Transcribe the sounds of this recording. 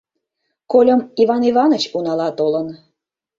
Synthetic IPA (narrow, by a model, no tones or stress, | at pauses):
kolʲəmivɑnivɑnət͡ɕunɑlɑt̪olən